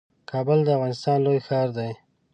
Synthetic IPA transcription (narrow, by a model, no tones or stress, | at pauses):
kʰɑbəld̪əavɣɑnɪst̪ɑnlojxɑɾd̪aj